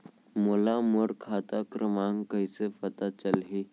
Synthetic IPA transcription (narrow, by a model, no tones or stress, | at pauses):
molamoɾkʰat̪akɾʔəmãŋɡkəjsefət̪at͡ɕəlɦi